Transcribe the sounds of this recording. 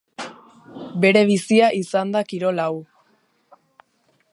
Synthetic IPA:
be̞ɾe̞β̞isiaʔisand̪akiɾo̞law

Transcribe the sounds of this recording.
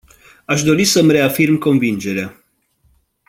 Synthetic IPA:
aʃd̪o̞ɾisəmre̞afirmko̞nvind͡ʒe̞ɾea

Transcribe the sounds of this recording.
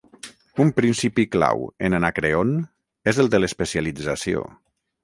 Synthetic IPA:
umpɾinsipikla̰wenanakɾeon | ezəlˠd̪ələspəsjalid͡zəsio̰

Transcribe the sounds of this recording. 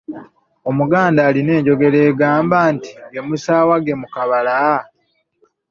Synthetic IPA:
o̞muɡaːndaːline̞ːɲɟo̞ɡe̞ɾe̞ːɡaːmbaːnti̥ɡe̞musaːwaɡe̞mukaβala

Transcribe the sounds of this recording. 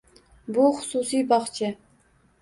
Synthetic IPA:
buχʊ̥susijbɑχt͡ʃʰɪ

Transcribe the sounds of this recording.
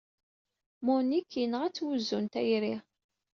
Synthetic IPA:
mʊnikʰːinəʁæt͡sːwuzːunt̪æjɾi

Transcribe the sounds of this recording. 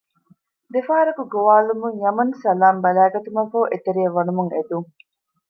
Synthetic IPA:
d̪efaɦɐɾɐkuɡoʋaːlumuŋjɐmɐnsɐlaːmbɐlæːɡɐt̪umɐfoːʔet̪eɾiɐʋɐnumuŋed̪uŋ

